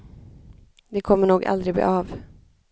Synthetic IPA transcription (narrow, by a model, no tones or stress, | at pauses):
d̪ɛkʰɔmːəɳuːɡa̰ld̪ɾɪɡb̪ḭːʔɑːv